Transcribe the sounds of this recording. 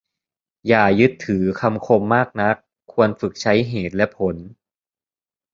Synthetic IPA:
jaː˨˩jɯ˦˥t̪ʰːɯː˩˦kʰa˧mkʰo˧mːaː˥˩k̚na˦˥kʰːu˧ənfɯ˨˩k̚t͡ɕʰa˦˥jɦeː˨˩t̪̚lɛ˦˥ʔpʰo˩˦n

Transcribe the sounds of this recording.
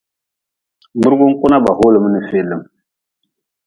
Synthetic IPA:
bɨ˦ɾɡu˦ŋ˦ku˦na˦ba˨ɦo˦lə˨m˦nə˦fe˨lə˨m

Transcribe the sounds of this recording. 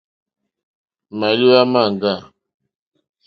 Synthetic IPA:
ma˨lu˦a˦ma˦˨ŋ˨ɡa˦˨

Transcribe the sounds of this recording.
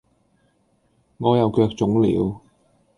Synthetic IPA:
ŋɔː˨˧jɐ˨˧wkœː˧k̚t͡sʊ˨˥ŋlḭː˨˥w

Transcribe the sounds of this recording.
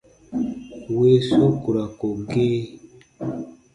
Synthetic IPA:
we˦so˦ku˨ɾa˨ko˨ɡe˦

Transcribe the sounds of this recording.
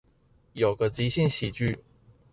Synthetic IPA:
jo˨˩ʊɡə˦t͡ɕi˧˥˦ɕi˥˨nɕi˨˩t͡ɕy˥˩

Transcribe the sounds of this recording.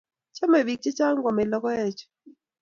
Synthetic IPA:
t͡ʃa˦mɛ˨wi˨k̚t͡ʃe˦t͡ʃa˦ŋɡwa˨mɪ˨lɔ˦kɔ˦ɛ˦˨t͡ʃ

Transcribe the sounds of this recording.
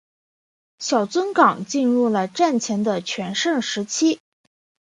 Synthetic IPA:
ɕjɑ˨˩ʊt͡swə˥nkɑ˨˩ŋt͡ɕi˥˧nɻu˥˩lə˩ʈ͡ʂa˥˩nt͡ɕʰjɛ˧˥nd̪ə˧t͡ɕʰɥɛ˧˥nʂə˥˩ŋʂɻ̩˧˥t͡ɕʰi˥

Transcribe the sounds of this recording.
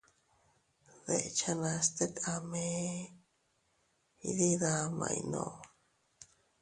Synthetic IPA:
ðe˨t͡ʃa˦nã˧st̪e˦ka˧mẽ˦ | ḭ˧ði˦ða˧mã̰˧ḭ˧nõ̰˨

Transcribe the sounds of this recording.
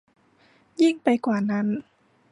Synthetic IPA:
ji˥˩ŋpa˧jkwaː˨˩na˦˥˨n

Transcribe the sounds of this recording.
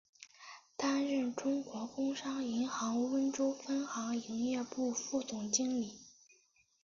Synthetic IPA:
t̪a˥nɻə˥˩nʈ͡ʂʊ˥ŋkwɔ˧˥kʊ˥ŋʂɑ˥ŋi˧˥nxɑ˧˥ŋwə˥nʈ͡ʂo˥fə˥nxɑ˧˥ŋi˧˥ŋjɛ˥˧pu˥˧fu˥˩t͡sʊ˨˩ŋt͡ɕi˥ŋli˨˩˦

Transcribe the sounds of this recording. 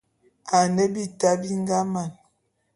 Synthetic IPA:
a˨ne˦bi˦ta˦bi˦ŋ˦ɡa˦ma˨n

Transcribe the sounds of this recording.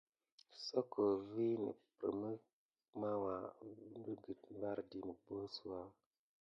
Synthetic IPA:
so˦kʰo˨vi˦nḭ˨pɾə̰˨mə˦ | ma˦wa˨n˦du˦ɡə˨tva˦ɾdi˨mə˨bo˦su˨wa˦

